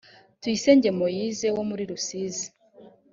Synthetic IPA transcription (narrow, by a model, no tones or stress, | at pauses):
twiseɲɟe̞mojizewomuɾiɾusiːzi